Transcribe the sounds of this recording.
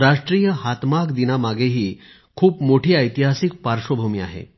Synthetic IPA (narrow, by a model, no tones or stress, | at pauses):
ɾaʂʈɾijəɦat̪makd̪inamaɡeɦiː | kʰuːpmoʈʰiːəjt̪iɦasik̚paɾʂəbʱumiːa̰ɦḛ